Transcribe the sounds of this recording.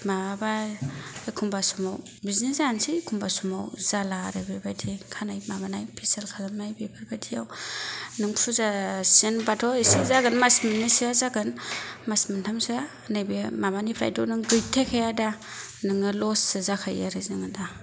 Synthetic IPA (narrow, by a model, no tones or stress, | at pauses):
maba | kʰumbasumaw | biznesansikʰumbasumawzalaɾɯbebadikʰanajmabanajpʰiselkʰazamnajbebaɾbadijawnɯŋpsʰuzasenbatʰɔisizaɡɯnmasminːisiazaɡɯnmasmantʰamsa | nɯjbemamanipʰɾa̰jdownɯŋɡɯjtʰekʰajada | nɯŋɯlɔsɯzakʰajaɾɯzɯŋɯnda